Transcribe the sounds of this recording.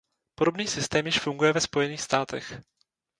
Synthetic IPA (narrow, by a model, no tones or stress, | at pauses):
po̞do̞bniːsɪst̪ɛːmjɪʃfuŋɡujɛvɛspo̞jɛniːxst̪aːt̪ɛ̰x